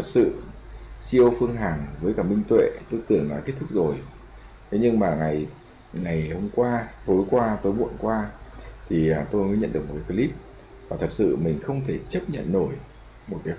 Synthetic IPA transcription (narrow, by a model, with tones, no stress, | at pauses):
ə˨˩t̚sɨ̰˧˨si˧əwfɨ˧əŋɦaː˨˩ŋvəː˨˦jkaː˧˩mï˧ŋ̟t̪wḛ˧˨t̪o˧jt̪ɨ˨˩əŋlaː˨˩ke˦˥t̚t̪ʰʊ˦˥k̚zo˨˩j | t̪ʰe˨˦ɲɨ˧ŋmaː˨˩ŋa˨˩j | ŋa˨˩jho˧mkwaː˧t̪o˨˦jkwaː˧t̪o˨˦jɓṵ˧˨ənkwaː˧t̪ʰi˨˩əː˨˩t̪o˧jməː˨˦ɲə̰˧˨nɗɨ˨˩k̚mo˨˩kːaː˨˦pi˧˦li˦˥p̚ | vaː˨˩t̪ʰə˨˩t̚sɨ̰˧˨mï˨˩ŋ̟xə˧wŋ͡mt̪ʰe˧˩t͡ɕə˦˥p̚ɲə̰˧˨nːo˧˩j | mo˨˩t̚kaː˨˦